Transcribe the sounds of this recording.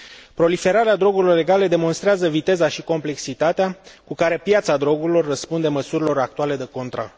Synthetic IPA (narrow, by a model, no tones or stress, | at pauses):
pɾo̞life̞ɾaɾead̪ɾo̞ɡuɾilo̞re̞ɡaled̪e̞mo̞nst̪ɾeazəvit̪e̞zaʃiko̞mple̞ksit̪at̪eakukaɾe̞pjat̪sad̪ɾo̞ɡuɾilo̞rːəspund̪e̞məsuɾilo̞ɾak̚t̪uale̞d̪eko̞nt̪ɾa̰